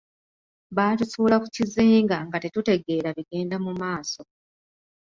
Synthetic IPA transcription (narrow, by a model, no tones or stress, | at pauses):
βaːtusuːlakuciziːŋɡaŋɡate̞tute̞ɡe̞ːɾaβiɡe̞ːndamumaːso̞